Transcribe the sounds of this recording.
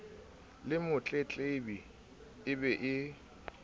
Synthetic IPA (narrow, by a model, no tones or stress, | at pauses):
lɪmʊt͡ɬʼet͡ɬʼebi | ɪbɛʔɪ